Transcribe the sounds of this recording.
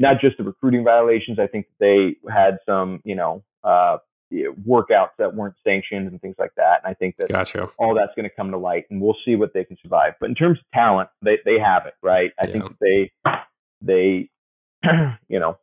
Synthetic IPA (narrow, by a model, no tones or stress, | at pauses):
nət̚d̥ʒ̥ʌst̚ʌɹɨkʰɹ̥ʉɾɪ̃ŋvaɪəleɪʃn̩zaɪθɪ̃ŋk̚ðət̪̚ðeɪɨd̥sʌ̃mjɨnoʊ | ʌ | ʌwɜ˞kaʊtsðɨt̚wɜ̃˞ntsæ̃ŋkʃɨ̃nzn̩θɪ̃ŋzla̰ɪk̚ðætɨ̃naɪθɪ̃ŋk̚ðɨtɔlˠðætsɡ̥ʌnɨkʰʌ̃mnəlaɪt̚n̩wilˠsiwʌt̪̚ðeɪkʰn̩sə˞va̰ɪvb̥ʌɾn̩tʰɜ̃˞mzʌv̥tʰælˠə̃nt̚ðeɪðeɪəvɪt̚ɹaɪt̚aɪθɪ̃ŋkðɨt̪̚ðeɪ | ðeɪ | jɨ̰ñoʊ